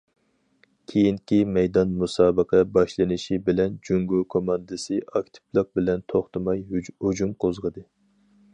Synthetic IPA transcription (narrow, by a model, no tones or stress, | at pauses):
kʲʰejiŋkʲimɛjd̪ɑnmusɑːbəqʰɛbɑʃlˠɨnɨʃibɪlɛnd͡ʒyŋɡokʰomɑnd̪ɨsɨɑkʲt̪ʰɪ̥plˠəq̚bɪlɛnt̪ʰoχt̪ɨmɑjhud͡ʒumqʰozʁəd̪ɨ